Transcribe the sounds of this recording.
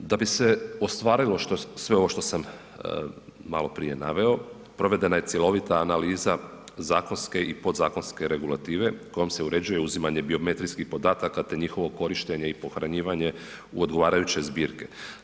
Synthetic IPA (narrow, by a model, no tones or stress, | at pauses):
d̪abise̞o̞st̪ʋaːɾilˠo̞ʃt̪osʋe̞o̞ʋo̞ʃt̪o̞sam | malo̞pɾḭje̞na̰ʋe̞o̞ | pɾo̞ʋe̞d̪e̞naje̞t̪sje̞lˠo̞ʋit̪aːnaliːza | zaːko̞nske̞ipo̞d̪zaːko̞nske̞ɾe̞ɡulˠat̪iːʋe̞ko̞jo̞mse̞uɾe̞d͡ʑuje̞uzimaɲe̞bio̞me̞t̪ɾijskixpo̞d̪aːt̪akat̪e̞ɲixo̞ʋo̞ko̞ɾiʃt̪eɲe̞ipo̞xɾaɲiːʋaɲe̞ | ṵod̪ɡo̞ʋaːɾajut͡ɕe̞zbiːɾke̞̥